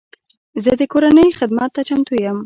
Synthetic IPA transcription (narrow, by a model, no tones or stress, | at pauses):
zəd̪əkoɾanəjxɪd̪mat̪ːat͡ʃamt̪ujəm